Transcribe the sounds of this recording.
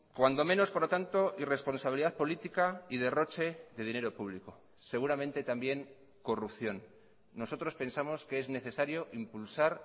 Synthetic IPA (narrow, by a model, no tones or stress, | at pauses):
kwand̪o̞me̞no̞spoɾt̪ant̪o̞ʔire̞spo̞nsaβiliðaðpo̞lit̪ikaið̞e̞ro̞t͡ʃe̞ðe̞ð̞ine̞ɾo̞puβ̞liko | se̞ɣ̞uɾamẽnt̪e̞t̪ambje̞ŋ | ko̞rupθjo̞nː | o̞so̞t̪ɾospe̞nsamo̞skeezne̞θe̞saɾjo̞ʔimpulsaɾ